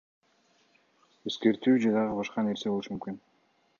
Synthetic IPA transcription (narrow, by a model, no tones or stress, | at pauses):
e̞ske̞ɾt̪yːd͡ʒed̪ɑʁɑβɑʃqɑne̞ɾseolˠuʃumymkyn